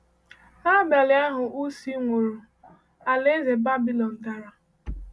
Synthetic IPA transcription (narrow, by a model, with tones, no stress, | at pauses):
a˦ba˨lɪ˦a˦ɦʊ˨ʔu˦si˦ŋʷo˨ɾo˨ | a˨le˦ze˨ba˦bi˦lɔ˨n̩˨ta˨ɾa˨